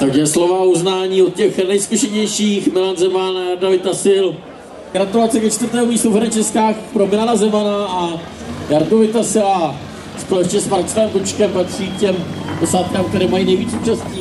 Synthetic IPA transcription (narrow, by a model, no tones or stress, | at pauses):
t̪aɡjɛslo̞vauznaːɲiːot̪̚cɛxnɛjskuʃɛɲɛjʃiːxmɪlanzɛmanajaɾdovɪt̪asɪl | ɡ̥ɾat̪ulat͡sɛkɛt͡ʃt̪vəɾt̪ɛːmujiːsowfɛɾɛt͡ʃɛskaːxpɾo̞mɪlanazɛmanaa | jaɾdovɪt̪asɪla | spolɛt͡ʃɲɛsmaɾt͡svɛːmkut͡ʃkɛmpat̪r̝̥iːkcɛmdɛsaːt̪̚kaːmk̚t̪ɛɾɛːmajiːnɛjviːt͡suːt͡ʃasciː